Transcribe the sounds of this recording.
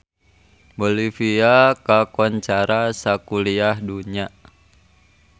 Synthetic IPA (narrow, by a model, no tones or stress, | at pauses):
bolifiakakɔɲt͡ʃaɾasakuliahduɲa